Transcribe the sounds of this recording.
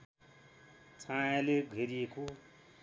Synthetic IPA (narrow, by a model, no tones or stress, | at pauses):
t͡sʰãjãleɡʱeɾieko